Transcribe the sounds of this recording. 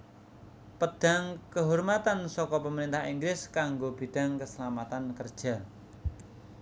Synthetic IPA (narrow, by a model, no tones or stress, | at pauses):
pəɖ̥a̤ŋkəɦormat̪ansɔkɔpəməɾint̪ahiŋɡlɪskaŋɡob̥i̤ɖ̥a̤ŋkəsəlamat̪ankərd̥ʒ̥a̤